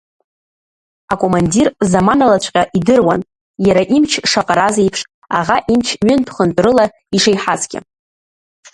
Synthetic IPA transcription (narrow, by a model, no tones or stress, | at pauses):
akʼo̞mandirzamanalat͡ʃʷʰʼqʲʼaʔidɨrwan | jaɾaʔimt͡ʃʰʂaqʼaɾazaipʰʂ | aʁaʔimt͡ʃʰɥʏnpʰχənt͡pʷʼɾɨla | iʂajħazɡʲʼɪ̰